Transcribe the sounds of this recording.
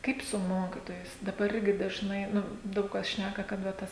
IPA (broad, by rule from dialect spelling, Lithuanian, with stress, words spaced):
ˈkɐɪp sʊ ˈmoːkʲɪtoːjɛɪs dɐˈbɐr ˈɪrʲɡʲɪ dɐʒˈnɐɪ ˈnʊ ˈdɐʊk kɐs ˈʃʲnʲækɐ kɐt ʋɐ ˈtɐs